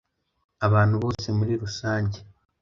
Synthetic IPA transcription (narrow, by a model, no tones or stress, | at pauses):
aβaːn̥huβo̞ːse̞muɾiɾusaːɲɟe